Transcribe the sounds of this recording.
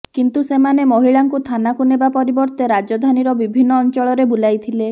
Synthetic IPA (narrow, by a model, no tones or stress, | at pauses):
kint̪usemanemɔɦiɭaŋkut̪ʰanakunebapɔɾibɔɾt̪eɾad͡ʒɔd̪ʱaniɾɔbibʱinːɔːnt͡ʃɔɭɔɾebulajt̪ʰile